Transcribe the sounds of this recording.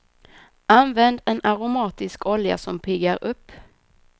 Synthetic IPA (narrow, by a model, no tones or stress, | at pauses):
anvɛnd̪ɛnaɾʊmɑːt̪ɪskʰɔlja̰sɔmpʰɪɡaɾɵpː